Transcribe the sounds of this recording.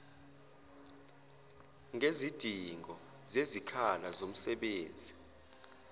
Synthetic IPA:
ŋezid̥ʱiŋʱɔ | zezikʰalazom̩sɛɓeːnd͡zʱi

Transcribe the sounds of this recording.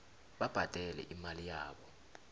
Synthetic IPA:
ɓab̥ʱad̥ʱɛlɛ̰ʔimalijaːɓɔ

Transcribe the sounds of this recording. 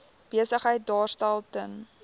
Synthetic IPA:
b̥iəsəχɦəjt̚dɑːrstælˠtən

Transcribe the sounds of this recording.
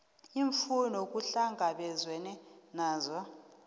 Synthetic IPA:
iɱfunɔkʼuɬaŋʱaɓɛzwɛnɛnaːzɔ

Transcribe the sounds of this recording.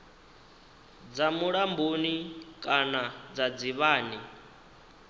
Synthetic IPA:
d͡zamuɺambonikʼanad͡zad͡ziβaːni

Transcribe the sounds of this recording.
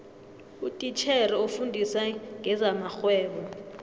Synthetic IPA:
utʼit͡ʃʰɛɾɛufundʱisaŋɡʱɛzamaxwɛːɓɔ

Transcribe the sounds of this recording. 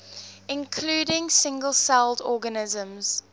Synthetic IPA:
ɪ̃nkʰluːɾɪ̃ŋsɪ̃ŋɡəlˠsɛlˠdɔːɡənɪzə̃mz̥

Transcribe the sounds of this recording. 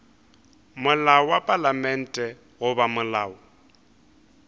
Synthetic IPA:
mʊlaɔwapʼalamɛn̩tʼɛ | ɣʊbamʊlaːʊ

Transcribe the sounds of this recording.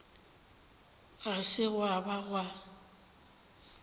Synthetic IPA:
ɣasɪɣwabaɣwa

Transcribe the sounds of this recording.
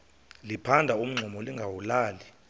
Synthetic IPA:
lipʰandʱaum̩ŋ͡ǀʱumɔliŋɡʱawulaːli

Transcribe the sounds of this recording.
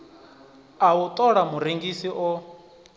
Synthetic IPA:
aut̪ʼɔɺamuɾeŋɡisiʔɔ

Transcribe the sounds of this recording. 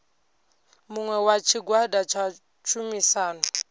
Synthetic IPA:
mʊŋwɛwat͡ʃʰiɡwadat͡ʃʰa | t͡ʃʰumisaːnʊ

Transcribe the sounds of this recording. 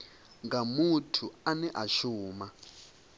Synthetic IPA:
ŋɡamutʰuanɛʔaʃuːma

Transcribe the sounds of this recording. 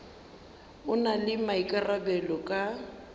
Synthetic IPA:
ʊnalɪmaikʼarabɛlɔkʼa

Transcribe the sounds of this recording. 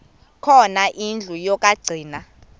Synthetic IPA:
kʰɔnaʔind͡ɮʱujɔkʼaɡ͡ǀʱiːna

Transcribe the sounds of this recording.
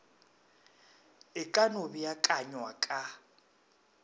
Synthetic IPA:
ɪkʼanobijakʼaɲwakʼa

